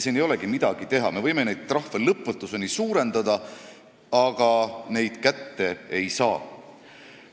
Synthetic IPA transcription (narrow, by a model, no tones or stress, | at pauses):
siːnejo̞leɡ̥imid̪̥ɑɡ̥it̪e̞ɦɑ̰me̞vɤjme̞nejd̥̪̚t̪rɑhvelɤpːut̪ːˑuse̞nisuːɾe̞nd̪̥ɑd̪ɑ | ɑɡ̥ɑne̞jd̪̥kæt̪ːe̞ejsɑː